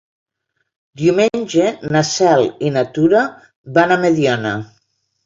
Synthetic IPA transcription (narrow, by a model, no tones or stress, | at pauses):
d̪iumenʲʒenasɛlˠinat̪uɾa | βanameðjɔna